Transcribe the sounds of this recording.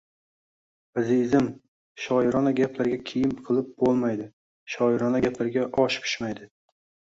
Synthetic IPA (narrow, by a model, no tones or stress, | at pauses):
azizɪm | ʃɒɪɾɒnaɡʲapʰlaɾɡʲakʲʰejɪmqʰɨlˠɪp̚bolˠmajd̪ɪ | ʃɒɪɾɒnaɡʲaplaɾɡʲaʔɒʃpʰʊ̥ʃmajd̪ɪ